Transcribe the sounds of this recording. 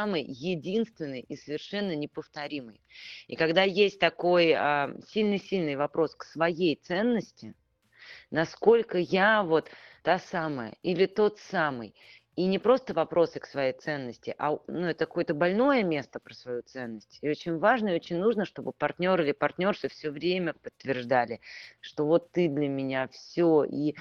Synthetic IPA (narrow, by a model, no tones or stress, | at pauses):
amɨjjɪdʲinst̪vʲɪnːɨjisəvʲɪrʂɛnːənʲɪpəft̪ɐɾʲimɨjḭkɐɡd̪ajesʲt̚ʲt̪ɐko̞jəsʲilʲnɨsʲilʲnɨjvɐpɾʔo̞sksvɐjejt̪sɛnːəsʲtʲɪ | nɐsko̞lʲkəjavo̞t̪ːasaməjə̰ilʲɪt̪o̞t̪samɨ̰j | inʲɪpɾo̞st̪əvɐpɾo̞sɨksvɐjejt̪sɛnːəsʲtʲɪʔa̰nuɛt̪əkɐko̞jət̪əbɐlʲno̞jəmʲe̞st̪əpɾəsvɐjut̪sɛnːəsʲtʲɪo̞t͡ɕɪnʲvaʐnəɪo̞t͡ɕɪnʲnuʐnəʂt̪o̞bɨpɐrt̪ʲnʲo̞ɾɨlʲɪpɐrt̪ʲnʲo̞rsɨfsʲɵvɾʲemʲəpət̪ːvʲɪrʐd̪alʲɪʂt̪o̞vo̞t̪ːɨd̪lʲəmʲɪnʲafsʲoi